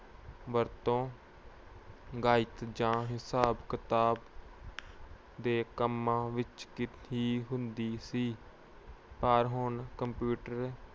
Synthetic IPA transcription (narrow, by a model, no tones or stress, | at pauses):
ʋəɾt̪õː | ɡaːɪt̪d͡ʒãːɦɪsaːbkɪt̪aːb | d̪eːkəmːãːʋɪt͡ʃkɪt̪ʰiːɦʊ̃nd̪iːsiː | paɾɦʊnkəmpjuːʈəɾ